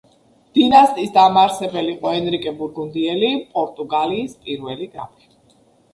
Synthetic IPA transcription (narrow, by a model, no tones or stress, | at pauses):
d̪̥inast̪ʼisd̪amaɾsɛbɛliqʼɔɛnɾikʼɛbuɾɡund̪iɛlipʼɔɾt̪ʼuɡaliːspʼiɾvɛliɡɾa̰pʰi̥